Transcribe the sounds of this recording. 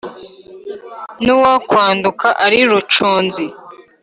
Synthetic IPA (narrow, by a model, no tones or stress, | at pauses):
nuwakwaːndukaʔaɾiɾut͡ʃuːnzi